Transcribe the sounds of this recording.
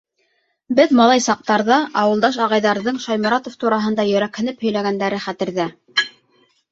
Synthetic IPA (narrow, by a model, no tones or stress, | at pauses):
bɘðmɑlˠɑjsɑq̚t̪ɑɾðɑʔɑwɤ̆lˠd̪ɑʃ̬ɑʁɑjðɑɾðɤɴʃɑjmɤɾɑt̪oft̪uɾɑɦɤ̆nd̪ɑjɵ̆ɾækhɘ̆nɘphɵ̆jlæɡænd̪æɾɘχæt̪ɘ̆ɾðæ